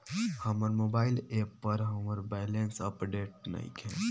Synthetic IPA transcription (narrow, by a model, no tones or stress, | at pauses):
həməɾmoːbaːɪleːpːəɾɦəməɾbɛjlensəpɖeːʈ̚na̰ḭkɦɛ̰̃ː